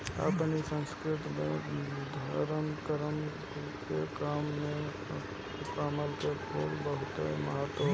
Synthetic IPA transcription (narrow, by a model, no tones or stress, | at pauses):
a̰pnisə̃nskɾɪt̪mẽd̪ʱəɾəmkəɾəm | kekaːmːẽ | paːməlkekʰoːlbəɦʊt̪eməɦaːt̪ːə